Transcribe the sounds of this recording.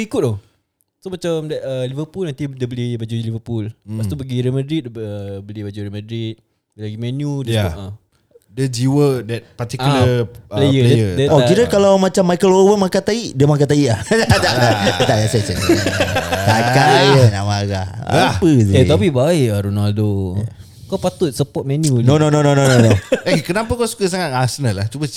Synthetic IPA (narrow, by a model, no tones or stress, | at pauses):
ikʊt̪̚ɔh | somat͡ʃamdɛʔəlivəpulnant̪idəbəlibad͡ʒulivəpulpast̪ubaɡiɾimədɾit̪̚əbəlibad͡ʒuɾimədɾit̪̚ | dəlaɡimɛnjudəaa | dəd͡ʒiwədɛt̪̚pat̪ikuləlejəljəɔiɾəkalawmat͡ʃamːajkəlowəmakat̪aiʔdiəmak̬at̪aiʔlahad̪aʔdaad̪aʔjasasas | t̪akaajəɲamaɡa̰apəziet̪apibaɪʔaɾunaldo | kawpat̪ʊt̪̚səpɔt̪̚mɛnjunõnõnõnõnõnõnõakənapakawsu̥kəs̬aŋat̪̚asənəlat͡ʃubə